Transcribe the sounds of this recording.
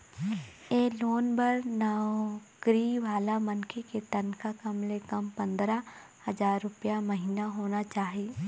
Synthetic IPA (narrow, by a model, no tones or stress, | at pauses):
jeːloːnbəɾnakɾiʋaːlamɐnkʰeket̪ɐnkʰakɐmlekɐmpɐ̃nd̪ɾa | hɐzaːɾːʊpjamɐɦiːnaɦoːnat͡ʃaːɦieː